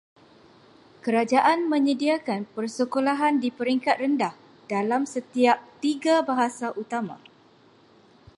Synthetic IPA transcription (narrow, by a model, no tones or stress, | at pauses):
kəɾad͡ʒaʔanmə̃ɲədiakanpərsəkolaɦandipəɾiŋkat̪̚rəndah | d̥alamsət̪iap̚t̪iɡabaɦasaʔut̪amã̰